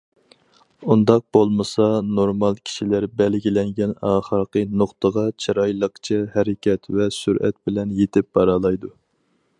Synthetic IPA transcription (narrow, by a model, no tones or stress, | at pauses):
und̪ɑq̚b̥olˠmɨsɑnoɾmɑlˠkʲʰi̥ʃilæɾbɛlɡʲilɛŋɡʲɛnɑːχəɾqənoχt̪əʁɑt͡ʃʰɑɾɑjlˠəqt͡ʃʰɛhɛɾɪkʲʰɛt̪vɛsyɾʔɛ̰t̪̚bɪlɛnjet̪ʰɪp̚bɑɾɑlˠɑjd̪u